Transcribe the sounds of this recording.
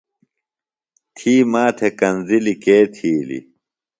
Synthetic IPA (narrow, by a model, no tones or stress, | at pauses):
t̪ʰiːmaːt̪ʰekɐnzilikeːt̪ʰiːlḭ